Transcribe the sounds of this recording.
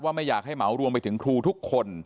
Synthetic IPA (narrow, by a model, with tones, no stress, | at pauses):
waː˥˩ma˥˩jːaː˨˩k̚ɦa˥˩jma˩˦wɾu˧əmpa˧jt̪ʰɯ˩˦ŋkʰɾuː˧t̪ʰu˦˥kʰːo˧n